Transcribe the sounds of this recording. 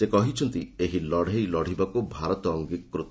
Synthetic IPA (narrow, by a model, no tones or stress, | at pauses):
sekɔɦit͡ʃʰɔnt̪ieɦilɔɽ̤ejlɔɽ̤ibakubʱaɾɔt̪ɔɔŋɡikːɾut̪